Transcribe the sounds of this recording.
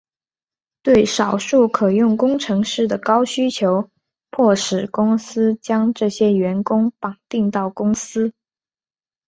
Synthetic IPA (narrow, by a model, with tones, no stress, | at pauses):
t̪we˥˩ɪʂɑ˨˩ʊʂu˥˩kʰɤ˨˩jʊ˥˩ŋkʊ˥ŋʈ͡ʂʰɤ˧˥ŋʂɻ̩˥˩d̪ə˩kɑ˥ʊɕy˥t͡ɕʰjo˧˥ʊ | pʰwɔ˥˩ʂɻ̩˨˩kʊ˥ŋsɹ̩˥t͡ɕjɑ˥ŋʈ͡ʂɤ˥˩ɕjɛ˥ɥɛ˧˥nkʊ˥ŋpɑ˨˩ŋt̪i˥˧ŋt̪ɑ˥˩ʊkʊ˥ŋsɹ̩˥